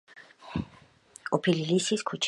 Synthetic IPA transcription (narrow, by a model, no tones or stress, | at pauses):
ɔpʰililisiskʰut͡ʃʰ